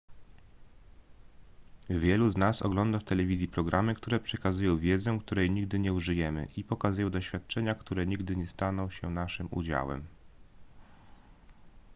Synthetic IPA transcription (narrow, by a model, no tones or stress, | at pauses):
vʲjɛluznasɔ̰ɡlɔnd̪aft̪ɛlɛvʲizʲjipɾɔɡɾʔamɘkt̪uɾɛpʂɛkazujɔ̃w̃vʲjɛd̪zɛ̃kt̪uɾɛjɲiɡd̪ɘɲɛuʐɘjɛmɘ̰ʔipɔkazujɔ̃w̃d̪ɔɕfʲjat̪̚t͡ʂɛɲakt̪uɾɛɲiɡd̪ɘɲɛst̪anɔ̃w̃ɕɛnaʂɘmṵd͡ʑa̰wɛ̰m